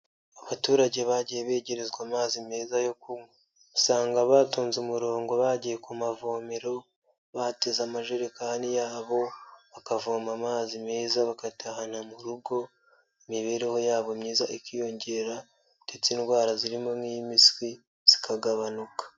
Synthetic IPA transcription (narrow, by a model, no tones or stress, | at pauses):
aβatuːɾaɟe̞βaɟijeβe̞ːɟe̞ɾe̞zɡwaːmaːzime̞ːzajo̞kumo | saːŋɡaβaːtoːnzumuɾo̞ːŋɡo̞βaɟijekumavoːmeɾo̞ | βatezamaʒeɾekanijaːβo̞βakavoːmamaːzime̞ːzaβakatʰahan̥amuɾuɡo̞ | imiβe̞ːɾe̞ho̞jaːβomɲiːzaʔikijo̞ɲɟe̞ɾa | d̥et͡sinwaːɾaziɾimo̞mimiswi | z̥i̥kʰaɡaβanukḁ